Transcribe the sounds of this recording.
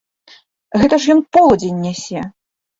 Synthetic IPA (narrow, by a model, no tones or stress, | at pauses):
ɣɛt̪ɐʂjɔnpɔlˠɐd͡zʲenʲːasʲɛ